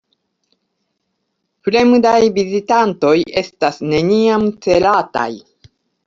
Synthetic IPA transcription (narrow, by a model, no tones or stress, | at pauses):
plemudajvizitanto̞je̞stasne̞niamt͡se̞lata̰j